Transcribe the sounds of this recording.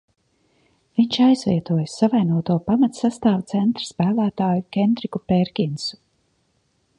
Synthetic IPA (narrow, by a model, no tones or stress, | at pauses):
viɲt͡ʃajzvʲḭɛt̪uɔjsavajnuɔt̪uɔpamat̪sast̪aːvt̪sɛnt̪ɾḁspæːlˠæːt̪aːjukʲɛnd̪ɾikupɛɾkʲinsu̥